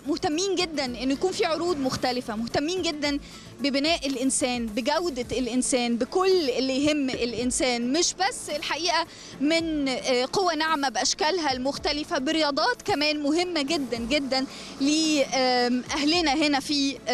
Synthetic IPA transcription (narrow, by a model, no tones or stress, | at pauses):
moht̪æmːiːnɡed̪ːænʔenːojækuːnfiʕoɾuːd̪moxt̪ælɪfæmoht̪æmːiːnɡed̪ːæn | bebenæːʔelʔɪnsæːnbeɡæwd̪æelʔensæːnbekolːʔelːijɦemːelʔɪnsæːnmɪʃbæsːelħaʔiːʔæ | mɪnqowːænaʕmæbeʔæʃkælɦælmoxt̪ælɪfæbeɾejɑːd̪ˤɑːt̪kæmæːnmoɦemːæɡed̪ːænɡed̪ːæn | liː | ʔæhlenæɦenæfiː